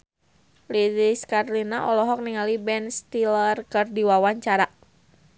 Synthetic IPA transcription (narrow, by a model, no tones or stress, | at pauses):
lidiskaɾlinaʔɔlɔɦɔk̚niŋalibɛnst̪ilərkɨrdiwawaɲt͡ʃaɾa